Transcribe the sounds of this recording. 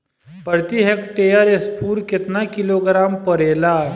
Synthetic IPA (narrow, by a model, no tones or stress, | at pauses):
pəɾt̪iɦekʈejəɾespuːɾkɪt̪nakɪloːɡɾaːmpəɾeːla